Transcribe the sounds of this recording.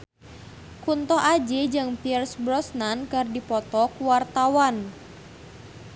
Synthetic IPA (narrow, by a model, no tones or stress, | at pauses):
kunt̪ɔʔad͡ʒid͡ʒɨŋpiɛrsbɾɔsnankɨrdipɔt̪ɔkuwart̪awan